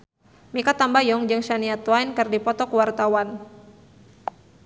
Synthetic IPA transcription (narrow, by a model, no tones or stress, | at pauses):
mikat̪ambajɔŋd͡ʒɨŋʃaniat̪wajnkɨrdipɔt̪ɔkwart̪awan